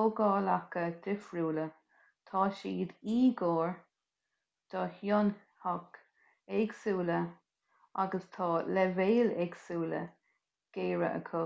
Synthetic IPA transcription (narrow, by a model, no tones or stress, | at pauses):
oɡɑːlakəd̪ɪfɹuːlə | t̪ʰɑːʃiːd̪iːɡoːɹ | d̪̥ɔːhjʊn | hɔk | ɛɡsuːlə | aɡəst̪ʰɑːlɛveːlɛɡsuːlə̰ | ɡ̥eːɹə̰ʔə̰kʰʊ